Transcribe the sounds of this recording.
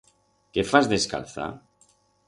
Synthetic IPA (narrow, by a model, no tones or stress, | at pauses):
kefazðe̞ska̰lθa̰